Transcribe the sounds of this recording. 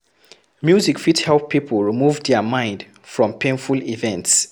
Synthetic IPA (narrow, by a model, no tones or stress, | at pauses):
mjuzikfithɛlˠpːipʰəl̩ˠɹimuvdɛmãɪ̃nd | fɹɔ̃mpʰẽnfulivɛ̃nts